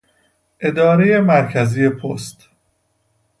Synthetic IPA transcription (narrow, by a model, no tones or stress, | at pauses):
ʔe̞d̪ɒːɾeje̞mæɾcʰæzije̞pʰost̪